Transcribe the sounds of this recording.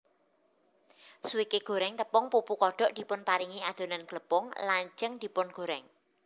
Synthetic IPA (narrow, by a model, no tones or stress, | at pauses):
suwikeɡ̥o̤ɾɛŋt̪əpɔŋpupukɔɖ̥ɔ̤ʔd̪̥i̤pʊnpaɾiŋiad̪̥o̤nanɡ̥ləpɔŋlaɲd͡ʒəŋd̪̥i̤pʊnɡ̥o̤ɾɛŋ